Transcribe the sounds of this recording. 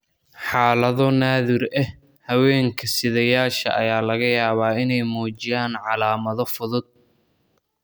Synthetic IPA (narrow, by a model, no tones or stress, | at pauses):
ħaːlɐðɔnaːðɪrɛh | hɐwɛːŋkʰɐsɪðɐjaːʃɐ̰ʔɐ̰jaːlɐɣɐjaːβaːɪnɛjmɔːt͡ʃɪjaːnʕɑlaːmɐðɔfʊðʊd̪̚